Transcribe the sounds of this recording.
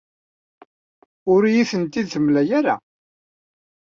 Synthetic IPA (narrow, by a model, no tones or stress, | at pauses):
ʊɾjiθənt̪id̪θəmːlæjæɾa̰